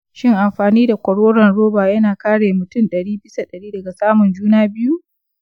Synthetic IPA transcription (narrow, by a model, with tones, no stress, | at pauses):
ʃɪ˦ŋʔa˨mɸaː˨niː˦da˨kʷɐ˨ɽwoː˦ɽɐ˨nɽoː˦baː˨jɐ˦naː˨kaː˦ɽeː˨mʊ˨tʊ˦nɗɐ˨ɽiː˦bɪ˦sa˨ɗɐ˨ɽiː˦dɐ˨ɡa˨saː˦mʊ˨nd͡ʒuː˦naː˦bɪ˦ju˦ʔ